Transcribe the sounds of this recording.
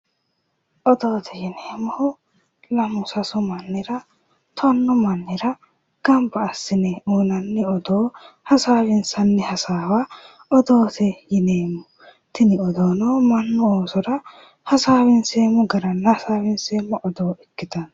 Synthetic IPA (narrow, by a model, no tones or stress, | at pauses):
ʔɔd̪oːt̪ʰɛjɪneːmːɔhʊ | lɐmʊsɐsʊmɐnːɪɾɐ | t̪ʰɔnːɔmɐnːɪɾɐ | ɡ̥ɐmbɐːsːɪnɛuːnɐnːɪɔd̪oːhɐsaːwɪnsɐnːɛhɐsaːwa | ɔd̪oːt̪ʰɛjɪneːmːʊ | t̪ɪnɪɔd̪oːnɔmɐnːʊoːsɔɾɐ | hɐsaːwɪnseːmʊɡɐɾɐnːɐhɐsaːwɪnseːmːɔʔɔd̪oːɛkːɪt̪ɐn